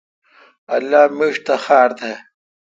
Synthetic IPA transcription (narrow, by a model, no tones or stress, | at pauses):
ɐlːaːmiʂt̪ɐxaːɾt̪e